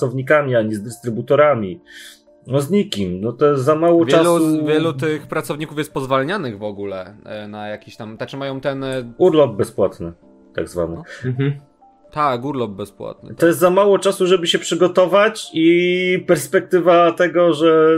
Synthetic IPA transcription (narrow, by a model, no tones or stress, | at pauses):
sɔvɲikamʲiaɲɛzd̪ɘst̪ɾɘbut̪ɔɾamʲi | nɔzɲikʲimnɔt̪ɔjɛst̪zamawɔvʲjt͡ʂɛaluuvʲjɛlut̪ɘxpɾat̪sɔvɲikufjɛst̪̚pɔzvalɲanɘɣvɔɡulɛnajakʲiɕt̪amt̪at͡ʂɘmajɔ̃w̃t̪ɛnuɾlɔb̚bɛspwat̪nɘ | t̪a̰ɡzva̰nɨ̰ | t̪akuɾlɔb̚bɛspwa̰t̪̚nɨ̰t̪ɔjɛst̪zamawɔt͡ʂasuʐɛbɘɕɛpʂɘɡɔt̪ɔvat͡ɕipɛɾspɛk̚t̪ɘvat̪ɛɡɔʐɛ